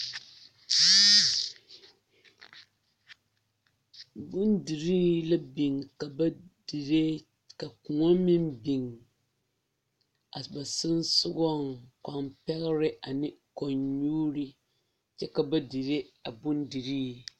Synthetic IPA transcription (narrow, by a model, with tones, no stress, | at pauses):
bʊ˦ndi˨ɾiː˦la˦bi˨ŋka˨bdi˨ɾe˦ | ka˨ku˨ŋɔ˦mɪ˦mbi˨ŋ | a˨ba˨sɪ˦n˦sʊ˦ɡɔ˦ŋka˨mpɛ˦ɣɪ˦ɾɪ˦ʔa˨nɪ˦ko˨ɲɲuː˦ɾi˦ | t͡ʃɛ˦ka˨ba˦di˨ɾe˦a˨bʊ˦ndi˨ɾiː˦˨